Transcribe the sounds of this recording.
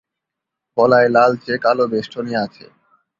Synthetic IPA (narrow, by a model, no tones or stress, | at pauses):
pɔlaelalt͡ɕekalobeʃʈʰonieat͡ɕʰḛ